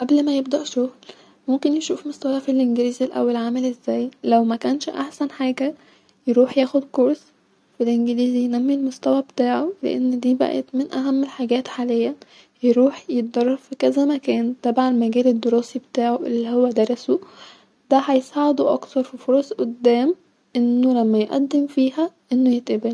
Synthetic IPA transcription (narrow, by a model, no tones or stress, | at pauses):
ʔæblmæjeb̚d̪æʔʃoɣl | momkenjeʃuːfmost̪æwæfilʔenɡeliːzilʔæ̰wːelʕamælʔezːæːjlæwmækæːnʃʔa̰ħsænħaːɡæ | jeɾuːħjæːxod̪koɾˤs | filʔenɡeliːzijenæmːilmost̪æwæbet̪aːʕolḛʔḛnːd̪iːbæ̰ʔæ̰t̪menʔæɦæmːelħaɡæːt̪ħaːlejːæ | jeɾuːħjet̪̚d̪ɑrˤːɑfikæzæmækæːnt̪æbʕalmæɡæːled̪ːoɾoːsibet̪aːʕoʔelːiːhowːæd̪ɑɾˤɑso | d̪̥æhæjesˤɑːʕed̪oʔɑ̰kθɑɾˤfifoɾˤɑsˤʔod̪ːæːm | ʔenːolæmːæjʔæ̰d̪ːemfiːɦæʔenːojet̪ʔæbel